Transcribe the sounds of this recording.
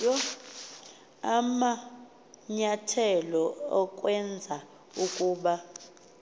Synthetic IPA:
ɔ | ama | ɲatʰɛlɔɔk̬ʼwɛnd͡zʱa | ukʼuːɓa

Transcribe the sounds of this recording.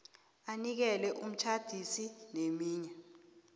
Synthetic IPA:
anik̬ɛlɛʔum̩t͡ʃʰad̥ʱisinemiːɲɛ

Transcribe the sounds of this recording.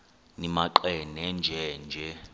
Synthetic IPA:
nimaǃɛnɛnd͡ʒʱɛnd͡ʒʱɛ

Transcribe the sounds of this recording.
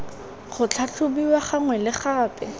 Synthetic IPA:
χʊt͡ɬʰat͡ɬʰʊbiwaχaŋwɛlɪχaːpʼɛ

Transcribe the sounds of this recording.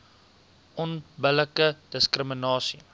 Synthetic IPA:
ʔɔnbələkəd̥əskrəmənɑːsi

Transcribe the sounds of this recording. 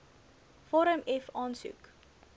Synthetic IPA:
fɔɾəmɛfɑːnsṵk

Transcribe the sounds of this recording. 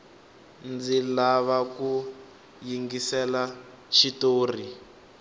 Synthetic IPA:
nd͡zilaβaku | jiŋɡisɛla | ʃitoːri

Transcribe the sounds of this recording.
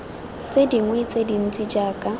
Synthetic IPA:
t͡sʼediŋwet͡sʼedin̩t͡sʼid͡ʒaːkʼa

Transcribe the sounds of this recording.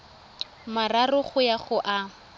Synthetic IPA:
mararʊχʊjaχʊʔa

